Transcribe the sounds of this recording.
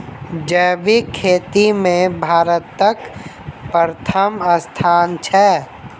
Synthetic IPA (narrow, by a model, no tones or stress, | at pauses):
d͡ʒəːbikʰːeːt̪imẽbʱaːɾət̪ːək | pəɾət̪ʰəməst̪ʰaːnt͡ʃʰɛː